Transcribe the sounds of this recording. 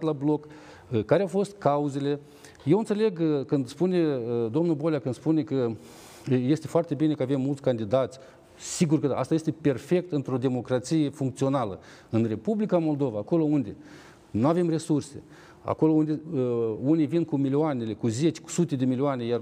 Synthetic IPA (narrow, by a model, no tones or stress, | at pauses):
t̪lablo̞k | kːaɾeawfo̞st̪kauze̞le̞ | je̞wɨnt̪se̞le̞ɡkɨnd̪spune̞d̪omnulbo̞lʲjakɨnd̪spune̞kə | je̞st̪e̞foart̪e̞bine̞kəave̞mːult̪sʲkand̪id̪at̪sʲ | siɡurkəaʔa̰st̪aje̞st̪e̞pe̞rfe̞k̚t̪ɨnt̪ɾo̞d̪e̞mo̞kɾat̪sije̞fuŋkt̪sio̞nalə | ɨnre̞publikamo̞ld̪o̞vaːko̞lo̞und̪e̞ | nuave̞mre̞surse̞̰ | a̰ko̞lo̞und̪eunijvinkumilioane̞le̞kuze̞t͡ʃʲku̥sut̪e̞d̪e̞milioane̞jar